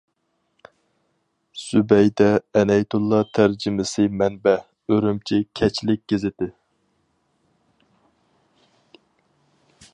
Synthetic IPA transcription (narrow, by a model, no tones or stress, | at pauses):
sybɛjd̪ɛːnɛjt̪ʰulˠːɑt̪ʰæɾd͡ʒɪmɪsɨmɛnbɛ | øɾymt͡ʃʰikʲʰɛt͡ʃʰlɪk̚ʲɡ̥ʲezɪt̪ɪ